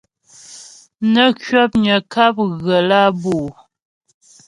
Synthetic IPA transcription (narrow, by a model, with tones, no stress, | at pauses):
nə˦kɥɔ˦p̚ɲə˨ka˦p̚ɣə˨la˦buː˨